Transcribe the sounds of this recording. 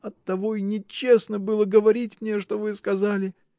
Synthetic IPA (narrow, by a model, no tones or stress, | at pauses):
ɐt̪ːɐvoinʲɪt͡ɕːe̞snəbɨlˠəɡəvɐɾʲitʲmnʲeʂt̪o̞vɨskɐzalʲɪ